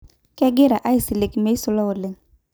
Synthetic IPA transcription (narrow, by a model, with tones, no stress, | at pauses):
kɛ˦ɡɪ˦ɾa˨ʔa˦i˨sɪ˨le˨kme˦i˦sʊ˦lɔ˦ʊ˨lɪ˨ŋ